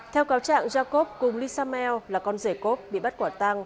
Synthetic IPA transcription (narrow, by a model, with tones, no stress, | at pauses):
t̪ʰɛ˧wkaː˨˦wt͡ɕa̰ː˧˨ŋzaː˧ko˦˥p̚kʊ˨˩ŋ͡mli˧saː˧mɛ˧wlaː˨˩kɔ˧nze˧˩ko˦˥p̚ɓḭ˧˨ɓa˦˥t̚kwaː˧˩t̪a˧ŋ